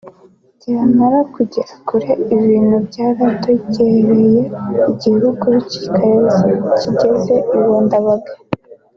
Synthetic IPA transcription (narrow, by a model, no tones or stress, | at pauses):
ɟ̥iamaɾakuɟeɾakuɾeiβiːnubjɟaːɾatoɟeɾejeiɟiɦuɡuβici̥kʰaɾezciɟe̞ze̞uβoːndaβaɡe̥